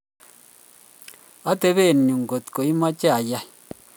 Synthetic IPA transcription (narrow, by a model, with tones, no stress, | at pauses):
a˦te˦be˦˨n˨ɲu˨ŋ˨ɡo˨t̪ko˨i˦ma˦t͡ʃɛ˦a˨ja˦˨